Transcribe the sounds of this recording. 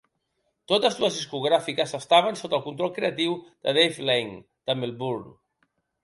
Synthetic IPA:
t̪ot̪əzləzðiskuɣ̞ɾafikəzəst̪aβ̞ənsot̪əlˠkunt̪ɾɔlˠkɾeət̪iwd̪̥əðejflejŋ | d̪̥əmilˠbuɾ

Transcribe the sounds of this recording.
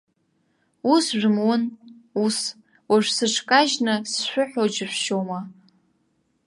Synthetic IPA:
usʒᶣmwʊnus | waʒᶣʷsɨʈ͡ʂʰkʼaʒnɨsʃᶣʷʊħᶣod͡ʒɪħʷʃoma

